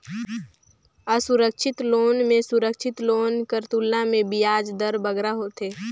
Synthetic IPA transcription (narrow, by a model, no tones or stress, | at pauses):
əsuɾəkʃʰɪt̪loːnmẽsuɾəkʃʰɪt̪loːnkəɾt̪ulnamẽbijaːd͡ʒd̪əɾbəɡɾaɦot̪eː